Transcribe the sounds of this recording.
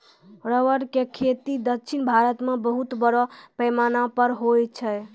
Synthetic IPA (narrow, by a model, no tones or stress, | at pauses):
ɾəʋəɾkekʰet̪id̪əkːt͡ʃʰinbʱaɾət̪mebəɦut̪bəɾɔpəjmanapəɾɦojt͡ʃʰɛ